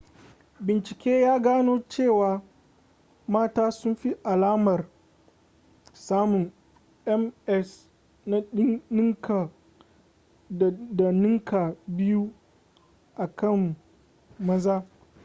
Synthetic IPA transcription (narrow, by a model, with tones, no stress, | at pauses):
bɪ˨nt͡ʃɪ˨kʲeː˦jaː˦ɡaː˦noː˦t͡ʃeː˦˨waː˨ | maː˦taː˦sʊ˦mɸi˦ʔa˨laː˦mɐ˨r | saː˦mʊ˨ŋ | ʔɛ˦mʔɛ˦s | na˦ɪ˦nɪ˦ŋka˨ | da˨nɪ˦ŋkʰa˨bɪ˦ju˦ | ʔa˨kɐ˦˨mː | ɐ˦zaː˦